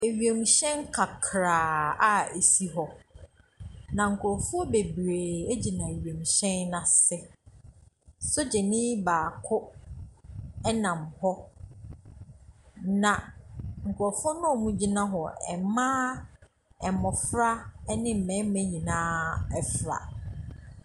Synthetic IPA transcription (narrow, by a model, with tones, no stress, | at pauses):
e˨ɥɥe˨m˨ɕɛ̃˦nkʰa˨kʰɾaː˨a˦e˨si˦ɦɔ˨ | nã˨ŋ̩˨kʰʊ˨ɔ˨fʊ˦ɔ˦be˨bɾeː˨e˦d͡ʑi˨nã˨e˨ɥɥe˨m˨ɕɛ̃˦nːã˨sɪ˦ | sʊ˦d͡ʑɛ˨nɪ̃˦baː˨kʰʊ˦ | ɛ˦nã˨mhɔ˦ | nã˨ŋ̩˨kʰʊ˨ɾɔ˨fʊ˦ɔ˦nʊ̃˦o˨mũ˦d͡ʑi˦nã˦ɦɔ˨ɛ̰˨mãː˦ | ɛ˨mɔ˨fɾa˦nɪ̃˦m̩˨mɛ̃˨˦m˦mæ̃˦ɲĩ˨nãː˦ɛ˨fɾa̰˨